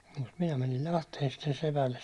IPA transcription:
jɑ mut minæ mænil lɑhteːn sitːen sepælːes

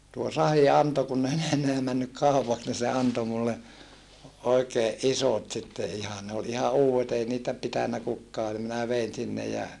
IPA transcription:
tuo sɑhi ɑnto kunː ei ne enːeæ mænːyk kɑˑupɑks ni se ɑnto mulːe oikeːʔ ʔisot sitːe ihɑn ne ol ihɑ uːwet ei niːtæ pitænːæ kukːɑː nim minæ ʋein sinːe jɑ

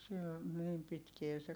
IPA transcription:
sil niːm pitkie se

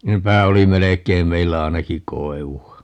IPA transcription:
nepæ oli melekˑeim meilːæ ɑinɑki koeʋuɑ

